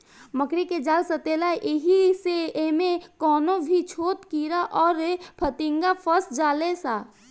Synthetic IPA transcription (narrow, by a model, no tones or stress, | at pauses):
məkɾiked͡ʒaːlsət̪eːlaʔɪɦiseemẽkɔːnõbʱit͡ʃʰoːt̪kiːɾaʔɔːɾpʰət̪ɪ̃ŋɡapʰəsd͡ʒaːlesaː